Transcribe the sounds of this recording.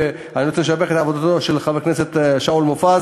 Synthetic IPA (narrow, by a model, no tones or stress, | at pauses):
aniot͡senmeʃabeχet̪aːvod̪at̪oʃelχavekneset̪ʃaulmofa